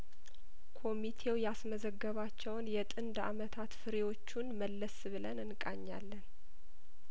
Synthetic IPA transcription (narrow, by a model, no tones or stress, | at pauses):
kʰo̞mit̪ʰe̞wjasməzəɡːəβat͡ʃːɛwnjɛt̪ʼɨnd̪a̰mət̪ʰat̪fɨɾewo̞t͡ʃːunməlːəsβɨlənɨnkʼaɲːa̰lːən